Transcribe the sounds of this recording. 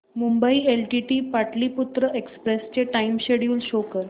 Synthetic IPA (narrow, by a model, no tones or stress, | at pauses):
mumbəielʈiʈiːpaʈliːput̪ɾəʔekspɾest͡ɕeʈaimɕeɽjuːlɕokəɾ